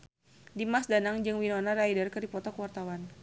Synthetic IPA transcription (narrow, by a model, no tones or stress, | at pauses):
dimasdanaŋd͡ʒɨŋwinɔnaraidərkɨrdipɔt̪ɔkəwart̪awan